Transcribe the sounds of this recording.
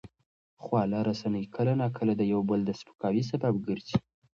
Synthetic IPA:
xwɑlaɾasanəjkʰəlanɑkʰəlad̪əjawbəld̪əspə̥kɑwis̬abab̚ɡəɾzi

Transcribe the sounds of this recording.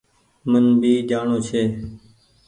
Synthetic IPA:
mənbʱiːd͡ʒaːɳoːt͡ʃʰeː

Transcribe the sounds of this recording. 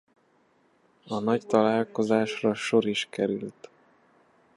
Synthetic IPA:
ɒnɒct̪ɒlaːlko̞zaːʃrɒʃo̞ɾiʃkɛɾylt̪

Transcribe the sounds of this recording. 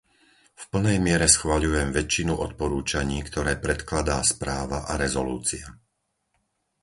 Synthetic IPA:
fpl̩nɛjmɪɛɾɛsxʋaʎujɛmʋɛt͡ʃːinuʔɔt̪̚pɔɾuːt͡ʃaɲiːkt̪ɔɾɛːpɾɛt̪klad̪aːspɾaːʋaʔaɾɛzɔluːt͡sia

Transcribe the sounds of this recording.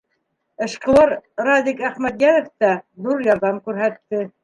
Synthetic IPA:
ɤ̆ʃqɤ̆lˠɑɾɾɑd̪ikæχmæt̪jæðɘ̆ft̪æðuɾjɑɾðɑmkʉɾɦæt̪ːɘ

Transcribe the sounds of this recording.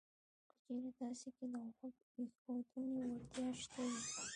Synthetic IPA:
pə̥t͡ʃeɾad̪ɑseked̪awxak | exad̪unewaɾt̪jɑʃt̪awi

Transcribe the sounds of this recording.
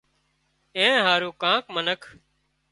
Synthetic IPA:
ẽːɦaːɾũːkãːkmənəkʰ

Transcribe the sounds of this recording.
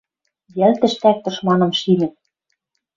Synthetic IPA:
jælt̪ɘ̆ʃt̪æk̚t̪ɤ̆ʃmɑnɤ̆mʃimɘ̆

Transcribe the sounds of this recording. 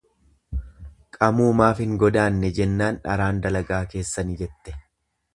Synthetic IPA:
kʼɐmuːmaːfɪŋɡɔd̪aːnːɛd͡ʒɛnːaːnᶑɐ̰ɾaːnd̪ɐlɐɡaːke̞ːsːɐnɪd͡ʒɛt̪ːɛ̥

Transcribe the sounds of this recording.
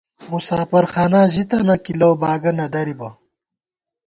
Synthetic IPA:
musaːfɐɾxaːnaːʑit̪ɐnɐkilɐwbaːɡɐnɐd̪ɐɾibɐ

